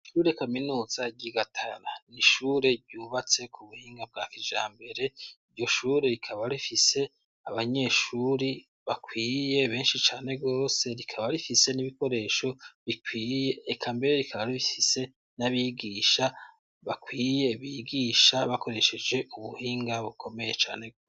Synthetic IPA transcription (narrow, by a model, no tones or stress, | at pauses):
ʃuːɾe̞kaminuːz̥aɟiɡatʰaɾaniʃuːɾe̞ɾɟuːβat͡se̞kʰuβuhiːŋɡab̚ɡaːkid͡ʒa̰ːmbe̞ɾe̞iɾɟo̞ʃuːɾe̞ɾikʰaβaɾifise̞ | aβaɲe̞ʃuːɾi | βakwiːje̞βe̞ːnʃit͡ʃaːne̞ɡo̞ːse̞ɾikʰaβaɾifise̞niβiko̞ɾe̞ʃo̞βikwiːje̞ːkʰambe̞ɾeɾikʰaβaɾiβifise̞ | naβiɡiːʃa | βakwiːje̞βiːɡiʃaβako̞ɾe̞ʃe̞d͡ʒe̞ʔuβuhiːŋɡaβukʰo̞me̞je̞t͡ʃa̰ːne̞ɡoːss